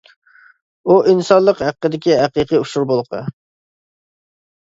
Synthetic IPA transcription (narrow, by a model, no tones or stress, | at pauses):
uʔinsɑnlˠəqhæqːəd̪ɪkʲiɦæqiqijuʃuɾbolˠqʰɑ̰